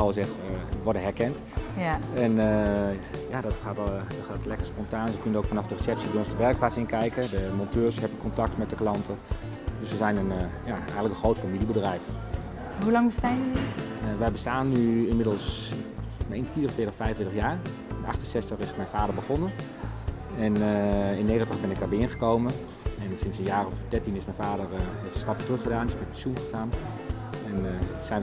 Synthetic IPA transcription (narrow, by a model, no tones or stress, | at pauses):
ɔlˠɪsɛxtʋɔɹdəɦɛɹkɛnt | ɛnə | jadɔtxaːtdɔtxaːtlɛkəɹspɔntaːnsəkønəowkfɔnɑfdərəsɛp̚sidoɔnsdəʋɛrk̚plasɪnkɛjkədəmɔntʰøːɹshɛbəkʰɔntɑk̚tmɛt̚dəklɑntʰə | døsəzɛjnənjaʔɛɣənləkənxrowtfamilˠibədrɛjf | ɦulɑŋbəstaːnədiʋɛjbəstaːnːyɪnmɪdəlˠs | menfiːərənfɪːtəfɛjvənfɪətəχjaːɹ | ɛnɑ̰χtənsɛstəχɪsmɛjnfaːdəɹbəχɔnən | ɛnɪnːejχəntəχbɪnɪɡ̚daːbɪənχəkowmən | ɛnsɪnsənjaːrɔfdɛɹtinɪsmɛjnvaːdəɹnɔχtəstɑpətrɵχədaːnɪsbɛnpɛsunχəxaːn | ɛnsɛjn